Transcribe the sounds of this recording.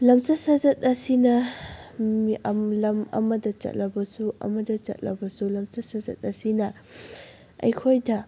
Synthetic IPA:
lɐmt͡ʃɐsɐzɐtɐsinɐ | iɐmlɐmɐ̰mɐdɐt͡ʃɐ̰t̚lɐbɐsuɐ̰mɐdɐt͡ʃɐ̰t̚lɐ̰bɐsulɐmt͡ʃɐsɐzɐ̰t̚ɐsinɐ | ɐ̰jkʰojdɐ

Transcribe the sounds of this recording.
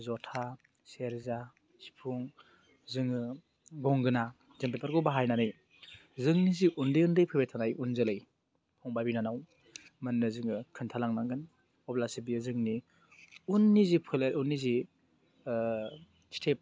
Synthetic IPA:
zɔtʰa | seɾza | si̥pʰuŋ | zɯŋɯ | ɡɔŋɡɯna | zempepʰaɾɡɔbaɦajnanɯj | zɯŋniziʔundɯjundɯjpʰɯbetʰanajunzɯlɯj | pʰɔŋbabinanaw | mɯnːɯzɯŋɯkʰɯntʰalaŋnaŋɡɯn | ɔblasibijazɯŋni | unːizipʰɯleunːizi | stʰep̚

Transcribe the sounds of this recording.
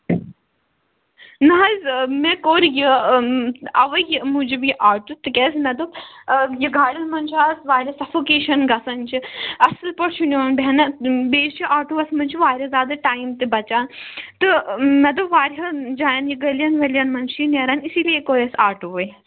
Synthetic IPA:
nɐɦɐzmɛ̃koːɾiji | ɐʋɐjimũd͡ʒibiʔaːʈut̪ɨkɛːs̬mɛd̪ojiɡaːɽʲɐnmɐnt͡ʃʰaːsʋaːɾʲɐsɐfoːkeːʃɐnɡɐsɐnt͡ʃʰiɐslpɐɾt͡ʃʰunjoːnbʲɛnɐbeːst͡ʃʰiʔaːʈuːʋɐsmɐnt͡ʃʰiʋaːɾʲɐzʲaːd̪ɐʈaːimt̪ebɐt͡ʃaːnt̪ɨmɛd̪oʋaːɾɦɐd͡ʒaːjɐnjiɡɐlʲjɐnʋɐljɐnmɐnʃʰinjɐɾɐnisiːlijekoːɾʲɐsaːɾʈuʋɐj

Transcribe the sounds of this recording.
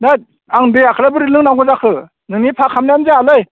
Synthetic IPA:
na | aŋdɯjakʰɯɾabɯɾɯlɯŋnaŋɡɯzakʰɯ | nɯŋnipʰakʰamnajanzealɯj

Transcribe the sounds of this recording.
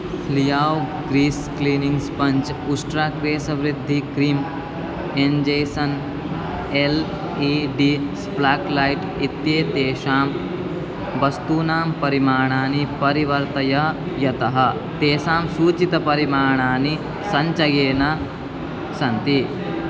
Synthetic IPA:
lijaːwɡɾiːskliːniŋɡspɐɲt͡ʃusʈɾaːkɾeːsɐʋɾid̪ʱːikɾiːm | end͡ʒejsɐn | el | iɖiːsplaːklajʈ | it̪jeːt̪eːʃaːm | bɐst̪uːnaːmpɐɾimaːɳ̃aːnipɐɾiʋɐɾt̪ɐjɐ | jɐt̪ɐɦɐ̆ | t̪eːʃaːmsuːt͡ʃit̪ɐpɐɾimaːɳ̃aːni | sɐɲt͡ʃɐɡeːnɐ | sɐnt̪i

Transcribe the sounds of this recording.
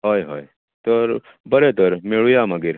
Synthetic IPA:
ɦoːjɦoːj | t̪əɾ | bəɾet̪əɾmeɭujaməɡiɾ

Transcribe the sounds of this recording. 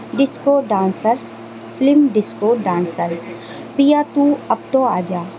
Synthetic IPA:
ɖɪskoːɖãːnsəɾ | plɪmɖɪskoːɖãːnsəɾ | pijaːt̪uːɐb̚t̪oːaːd͡ʒaː

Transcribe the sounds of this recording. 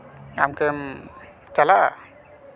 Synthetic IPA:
a̰mkəm | t͡ɕala

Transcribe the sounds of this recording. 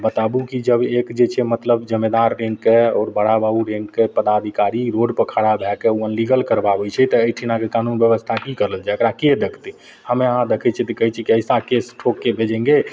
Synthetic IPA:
bət̪abukid͡ʒəbekd͡ʒet͡ʃʰɛmət̪ləbd͡ʒəmːed̪aɾːẽŋɡkeɔːɾbəɽabauɾẽŋɡkepəd̪ad̪ʱikaɾiɾoɖpəkʰaɽabʱɛkeuənliɡəlkəɾbabɛt͡ʃʰɛt̪ɔəiʈʰinakekanunbjəʋəst̪ʰakikəɾəld͡ʒajəkɾaked̪ekʰt̪i | həmeəɦãd̪ekʰɛt͡ʃʰɛt̪əkəɦɛt͡ʃʰikiəɪsakesʈʰokːebʱed͡ʒɛ̃ŋɡe

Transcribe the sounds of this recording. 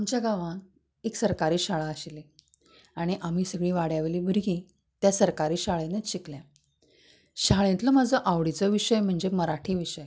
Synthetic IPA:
amt͡ɕjaɡaʋãk | eksəɾkaɾiːɕaɭaːɕle | aɽ̃iʔam̤iːsəɡɭiːʋaɽjaʋeliːbʱuɾɡĩ | t̪jasəɾkaɾiːɕaɭẽneɕikljã | ɕaɭẽnt̪ləmad͡zəʔaʋɽit͡səʋiɕəjm̤əɳd͡ʑeməɾaʈʰiːʋiɕəj

